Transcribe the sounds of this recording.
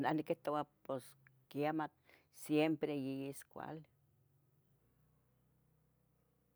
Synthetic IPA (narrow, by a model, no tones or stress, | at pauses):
nahnikːeht̪owaposkiamat̪̚ | sjempɾejijiskʷa̰l